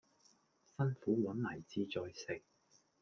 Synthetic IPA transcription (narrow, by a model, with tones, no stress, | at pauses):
sɐ˥nfuː˨˥wɐ˨˥nlɐ˨˩jt͡siː˧t͡sɔː˧jsɪ˨k̚